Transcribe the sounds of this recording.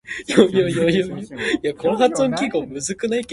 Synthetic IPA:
jojojojojoiakʰoːɦat͡sɨõŋkʲiɡo̞ːmɯ̟zɨkɯnaike

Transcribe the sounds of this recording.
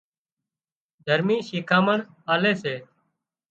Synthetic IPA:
d̪ʱəɾmiːʃiːkʰaːməɳ | aːleːseː

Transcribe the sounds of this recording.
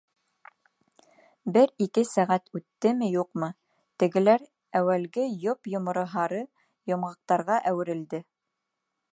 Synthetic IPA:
bɘɾikɘsæʁæt̪ʉt̪ːɘmɘjuqmɤ | t̪ɘ̆ɡɘ̆læɾ | æwælɡɘjopjŏmɤ̆ɾɤ̆ɦɑɾɤ | jŏmʁɑ̆q̚t̪ɑɾʁɑʔæwɘ̆ɾɘ̆ld̪ɘ

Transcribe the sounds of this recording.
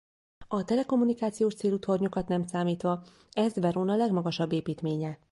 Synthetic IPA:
ɒt̪ɛlɛko̞mːunikaːt̪sijoːʃt̪seːlut̪ho̞rɲokɒt̪nɛmsaːmiːt̪ʋɒ | ɛzʋɛɾoːnɒlɛɡmɒɡɒʃɒbːeːpiːt̪meːɲɛ

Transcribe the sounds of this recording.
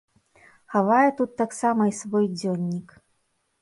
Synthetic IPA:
xavajɛt̪ut̪ːaksamɐisvɔjd͡zʲɔnʲːik

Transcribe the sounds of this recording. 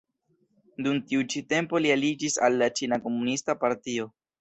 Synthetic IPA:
dumtiut͡ʃite̞mpo̞lialid͡ʒisa̰lːat͡ʃinako̞munistapaɾtio̞

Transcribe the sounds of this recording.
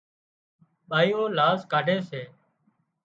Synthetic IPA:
ɓaːiːoːlaːskaːɖʱeːseː

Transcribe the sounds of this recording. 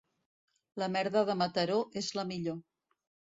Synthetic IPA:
ləmɛɾðəð̞əmət̪əɾoʔezləmiʎo

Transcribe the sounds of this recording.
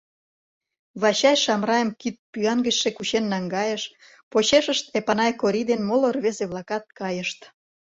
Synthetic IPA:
βɑɕɑjʃɑmrɑjə̆mkit̪̚pyɑnɡə̆ɕʃekut͡ɕenːɑŋɡɑjeʃ | pot͡ɕeʃə̆ʃt̪epɑnɑjkoɾʲid̪enmolorβezeβlɑkɑt̪̚kɑjəʃt̪

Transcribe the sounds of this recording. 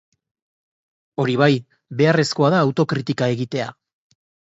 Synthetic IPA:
o̞ɾiβaj | be̞are̞sko̞aðaːwt̪o̞kɾit̪ikae̞ɣit̪e̞a̰

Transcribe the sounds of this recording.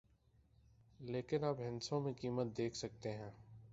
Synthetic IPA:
leːkɪnapɦɪ̃nsõmẽkiːmət̪̚d̪eːkʰsɐk̚t̪eɦɛ̃ː

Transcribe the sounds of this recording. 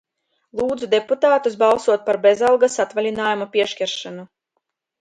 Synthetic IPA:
lˠuːd̪zud̪eput̪aːt̪us̬bɑlˠsuɔt̪̚paɾbezalˠɡasat̪valʲinaːjumapʲiɛʃkʲɛɾʃanu

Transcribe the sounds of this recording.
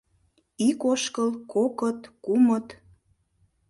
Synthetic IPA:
ikoʃkəlkokət̪kumət̪

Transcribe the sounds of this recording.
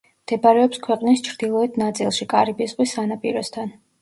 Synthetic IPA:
md̪̥ɛbaɾɛɔpskʰwɛqʼnist͡ʃʰɾd̪̥ilˠɔɛd̪nat̪sʼilˠʃikʼaɾibisʁʼwisanapʼḭɾɔst̪ʰan

